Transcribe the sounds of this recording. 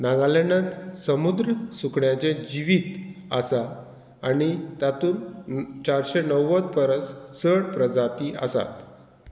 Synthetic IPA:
nãɡalenãt̪səmud̪ɾəsukɳjat͡ɕẽd͡ʑiʋit̪ə̰saː | nit̪at̪uːnt͡ɕaɾɕɛnəwːət͡s̪pəɾət͡ssəɽpɾəd͡zat̪iə̰sa̰t̪

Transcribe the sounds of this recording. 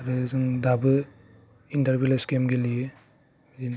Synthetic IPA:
ɾɯzɯŋdabɯ | intɐɾbileskemɡelije | zin

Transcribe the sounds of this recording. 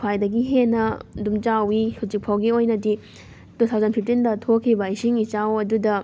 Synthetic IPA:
kʰwajdɐɡiɦenːɐdumt͡ʃawihut͡ʃik̚pʰawɡiojnɐdi | dut̪ʰawzɐnpʰip̚tindɐtʰokʰːibɐisiŋit͡ʃawɐdudɐ

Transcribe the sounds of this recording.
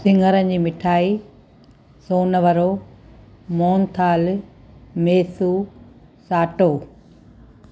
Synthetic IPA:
sɪ̃ŋɡʱəɾənd͡ʑiːmɪʈʰaːi | soːnəʋɐɾoː | moːnt̪ʰaːl | meːsu | saːʈoː

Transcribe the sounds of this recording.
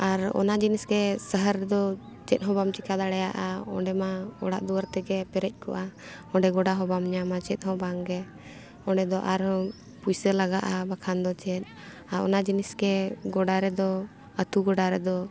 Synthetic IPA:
aɾɔ̰nad͡ʒinisɡɛsəɦəɾɛd̪ɔ | t͡ʃɛt̪̚ˀɦɔ̃bamt͡ʃikad̪aɽɛja̰ʔaɔ̰̃ɳɖɛmaɔ̰ɽa̰ʔd̪uwəɾt̪ɛɡɛpɛɾɛc̚ˀkɔ̰ʔa | ɔ̃ɳɖɛɡɔɖaɦɔbamɲamat͡ʃɛt̪̚ˀhɔ̃baŋɡɛ | ɔ̃ɖɛd̪ɔʔaɾɔ | pujsəlaɡaʔabakʰand̪ɔt͡ʃɛt̪̚ | aɾɔ̰nad͡ʒinisɡɛɡɔɖaɾɛd̪ɔ | ət̪uɡɔɖaɾɛd̪ɔ

